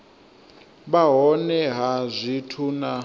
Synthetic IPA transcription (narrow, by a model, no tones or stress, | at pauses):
βaɦɔnɛɦazʷitʰuna